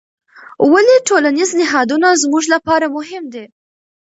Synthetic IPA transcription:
waleʈolaniznɪɦɑd̪unazmuʒlapɑɾamʊɦɪmd̪e

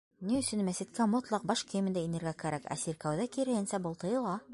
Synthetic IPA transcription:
niɵ̆sɵ̆nmæsĭt̪kʰæmot̪lˠɑq̚bɑʃkɵ̆j̆mɘ̆d̪ɘinɘ̆ɾɡækæɾækæ̰siɾkæwðækiɾɘjɘ̆nsæbɤlˠt̪ɤ̆jɤ̆lˠɑ

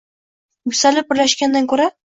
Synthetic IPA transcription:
ɡɵsalɪp̚bɪɾlaʃkʲand̪ankʲɵɾa

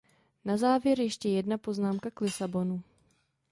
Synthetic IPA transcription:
nazaːvjɛɾjɛʃcɛjɛdnapo̞znaːmkaklɪsabo̞nu

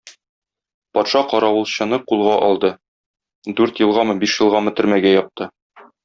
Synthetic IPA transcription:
pɒt̪ʃɑqɒɾɑwɤ̆lˠɕɤ̆nɤqulˠʁɑʔɒlˠd̪ɤ | d̪ʉɾt̪jɤ̆lˠʁɑmɤbiʃjɤ̆lˠʁɑmɤ̆t̪ɘ̆ɾmæɡæjɒp̚t̪ɤ

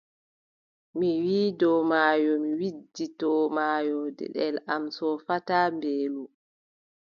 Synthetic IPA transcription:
miwiːdɔmaːjɔmiwidːitɔmaːjɔdɛ̰ɗɛlamsɔfatambeːlu

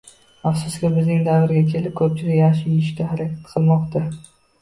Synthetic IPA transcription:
mɑχsʊskʲɪbɪznɪŋd̪avɪɾɡʲakʲʰe̞lɪp̚kʰɵp̚t͡ʃʰɪd̪ɪjaʃɪɪʃkʲahaɾakʲat̪qʰɨlˠmɒqt̪a

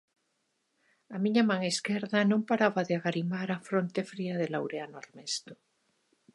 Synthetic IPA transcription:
amiɲamaŋeskeɾðanõmpaɾaβaðeaɣaɾimaɾafɾont̪efɾiaðelawɾeanoaɾmest̪o̥

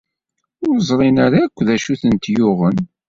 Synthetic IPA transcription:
ʊɾzˤɾˤinaɾaːkʷːðæʃuθənt̪jʊʁən

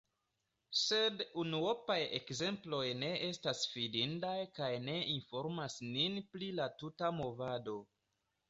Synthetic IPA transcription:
se̞dunuo̞paje̞̰kze̞mplo̞jne̞e̞stasfidindajkajne̞info̞ɾmasninplilatutamo̞vado̞

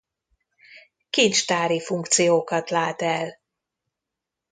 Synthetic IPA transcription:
kint͡ʃt̪aːɾifuŋkt̪sijoːkɒt̪laːt̪ɛl

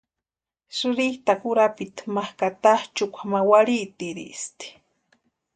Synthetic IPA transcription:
sɨɾiht̪akuɾapit̪mahkat̪aht͡ʃukʷamawaɾit̪iɾḭʔst̪i̥

